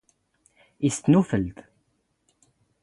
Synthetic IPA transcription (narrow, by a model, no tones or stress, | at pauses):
ist̪nufəlt̪